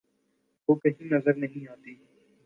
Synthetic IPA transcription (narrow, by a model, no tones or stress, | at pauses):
ʋoːkɐɦĩnɐzəɾnɐɦĩaːt̪iː